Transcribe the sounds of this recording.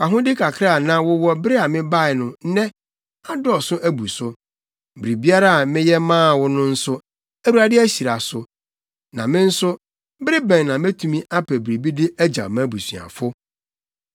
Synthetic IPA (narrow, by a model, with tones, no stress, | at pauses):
ka˨ɦʊ̃˦dɪ˦kʰa˨kʰɾa˦˨nã˨wʊ˦wɔ˦bɾɪ˦a˨mɪ̃˦ba˦ɪ˨nʊ̃˨˦nɛ̃˦ | a˦dʊ˦ɔ˨sʊ˦ʔæ˦bu˨sʊ˦˨ | bɾi˨bi˦a˦ɾa˦a˨mɪ̃˦jɛ˦mãː˦˨wʊ˦nʊ̃˦n̩˦sʊ˦ | æ˦wu˦ɾa˦dɪ˦æ˦ɕi˨ɾa˨sʊ˨ | nã˨mɪ̃˦n̩˦sʊ˦ | bɪ˦ɾɪ˦bɛ̃˨nnã˨mẽ˦tʰũ˨mĩ˦ʔa˦pʰɛ˨bɾi˨bi˦dɪ˦æ˦d͡ʑa̰˨mã˦bu˨sɥ̰a̰˨fʊ˦